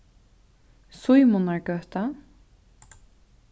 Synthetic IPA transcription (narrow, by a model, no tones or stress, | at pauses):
sujmʊnaɹkœht̪a